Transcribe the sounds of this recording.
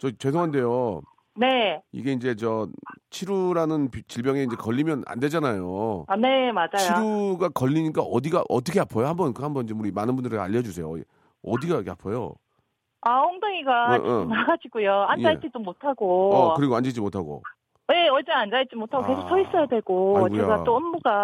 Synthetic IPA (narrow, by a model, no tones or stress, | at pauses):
t͡ɕʌt͡ɕe̞s̬ʰoŋɦande̞jo | ne̞ḭɡe̞ind͡ʑe̞t͡ɕʌt͡ɕʰiɾuɾanɯnpt͡ɕiɭbjʌŋe̞ind͡ʑekʌʎːimjʌna̰nde̞d͡ʑanajone̞mad͡ʑajʰjoiɾuɡakʌʎːiɲik͈aʔʌdiɡaʔʌt̬ʰʌkʰeapʰojohambʌnkɯɦambʌnid͡ʑemuɾimanɯnbundɯɾɯɭa̰ʎːʌd͡ʑusʰe̞jo̰ | ʌ̰diɡakʰapʰʌjo̰ | ahoŋdoŋiɡamnaɡad͡ʑiɡujoanjajt͡ɕ͈it͡ɕomːotʰaɡoʌkɯɾiɡoand͡ʑed͡ʑimotʰaɡo̰ | je̞ʌd͡ʑeand͡ʑait͡ɕimotʰaɡoke̞sʰok̚sʰʌis͈ʌjadwe̞ɭɡout͡ɕeɡatt͈oʌnbuɡa